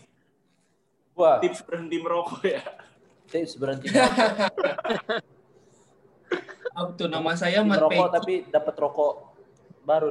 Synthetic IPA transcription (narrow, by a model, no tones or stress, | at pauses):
uat̪ip̚səbəɾənt̪iməɾokɔja | t̪ip̚səbəɾənt̪i | at̪unamas̬ajamaɾɔkɔt̪apidapət̪rɔkɔ | baɾu